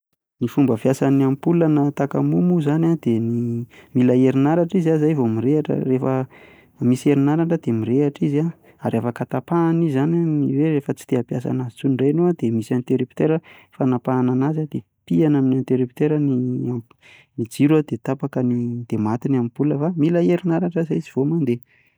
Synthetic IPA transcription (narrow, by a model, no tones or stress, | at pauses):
nifumbəvjasaniampulənat̪aka̰mumuzanad̪̥enimilaeɾinaɾaʈ͡ʂizazajvomiɾeaʈ͡ʂə̰refə | misieɾinaɾaʈ͡ʂəd̪̥emiɾeaʈ͡ʂiza | aɾafakat̪apanizananiweɾefət͡si̥t̪eapjasa̰nazi̥t͡suɳɖ͡ʐajnuad̪emisant̪eɾipi̥t̪eɾəfanapaːnanazad̪e | pianaminant̪eɾipi̥t̪eɾənia | mid͡ziɾad̪et̪apakənid̪̥emat̪inamibuləvamilaeɾinaɾaʈ͡ʂəzaiziv̥omand̪e